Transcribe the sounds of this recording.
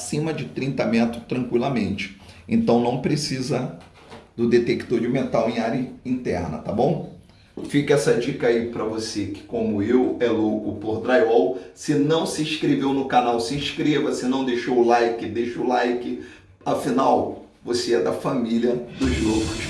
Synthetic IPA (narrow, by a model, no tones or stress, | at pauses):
asĩmɐd͡ʒɪt̪ɾĩnt̪ɐmẽt̪ʊt̪ɾɐ̃ŋkwilɐmẽnt͡ʃɪ̥ḛ̃nt̪ɐ̃w̃nɐ̃w̃pɾesizɐ | d̪ʊd̪et̪ekt̪oɾd͡ʒumẽnt̪awẽaɾɐĩnt̪ɛɾnɐ̰t̪abõw̃ | fikɐɛsɐd͡ʒikaipɾɐvosekɪ̥kõmʊewɛlokʊpoɾd̪ɾajɔwsɪnɐ̃w̃sɪĩʃkɾevewnʊkanawsɪĩʃkɾevɐsɪnɐ̃w̃d̪eʃowʊlajkɪd̪eʃʊlajkɪ | afinaw | voseɛd̪ɐfamiliɐd̪ʊzlokʊs